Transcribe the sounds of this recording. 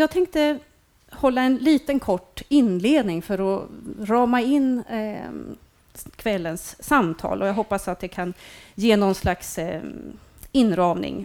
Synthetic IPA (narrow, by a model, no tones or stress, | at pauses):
jɑːɡ̚t̪ʰɛŋk̚t̪ə | hɔlːaɛnliːt̪ənkʰɔʈːɪnːleːd̪nɪŋfœɾɔɾɑːmaɪnː | kʰvɛlːənsːamt̪ʰɑ̰ːlʔɔjaɡɦɔpːasat̪̚d̪ɛkʰanjeːnɔnslaks | ɪnːɾɑːmnɪ̰ŋ